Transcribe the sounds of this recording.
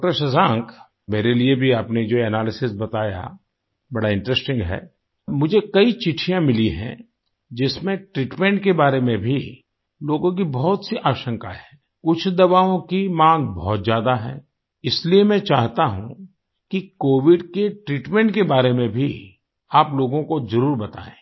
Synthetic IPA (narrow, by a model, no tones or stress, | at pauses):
ʈəɾʃɐzãːŋk | meːɾeliebʱiaːpned͡ʒoːɛnaːlɪsɪsbɐt̪aːja̰ | bɐɽaɪ̃ɳʈɾɛsʈɪ̃ŋɡɦɛ̰ː | mʊd͡ʒʱekɐit͡ʃɪʈʰijãmɪliɦɛ̰̃ | d͡ʒɪsmẽʈɾiːʈmɛ̃ɳʈ̚kebaːɾemẽbʱi | loːɡõk̬ibɔɦʊt̪siʔaːʃə̃ŋkaɦɛː | kʊt͡ʃʰd̪ɐβaːõkimãːŋɡbɔ̰ːt̪zjaːd̪aɦɛ̰̃ː | ɪsliemɛ̃t͡ʃaːɦt̪aɦṵ̃ | kikoːʋɪɖkeʈɾiːʈmɛ̃ɳʈkebaːɾemẽbʱi | aːploːɡõkozɐɾuːɾbɐt̪a̰ːḛ̃ː